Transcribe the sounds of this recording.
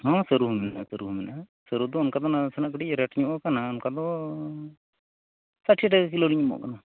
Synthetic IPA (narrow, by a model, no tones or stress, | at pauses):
ɦɔ̃səɾuɦumɛna̰səɾuɦumɛnasəɾud̪ɔːnkad̪ɔnasɛnaʔkəʈiɾɛʈɲuʔɔkanaɔnkad̪ɔ | saʈʰiʈɛɡk̬iloliɲumɔ̰ʔkana